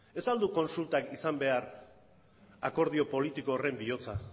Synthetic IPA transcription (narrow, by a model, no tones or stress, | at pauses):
e̞sald̪uko̞nsult̪akisambe̞aɾ | ako̞ɾð̞io̞po̞lit̪ikoːre̞mbio̞t͡sa